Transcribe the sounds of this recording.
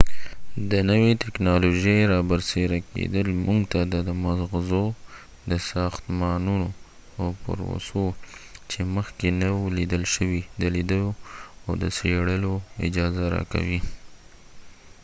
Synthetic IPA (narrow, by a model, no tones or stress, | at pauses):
d̪ənəwet̪ɪknɑloʒəjɾɑbəɾseɾakḛd̪əlmuŋɡt̪ad̪əd̪əmazɣzo | d̪əsɑxt̪mɑnuno | awpə̰ɾwo̰sot͡ʃeməxkenawlid̪əlʃəwid̪əlid̪əloa̰wd̪əseɽəloɪ̰d͡ʒɑzaɾɑ̰ka̰wi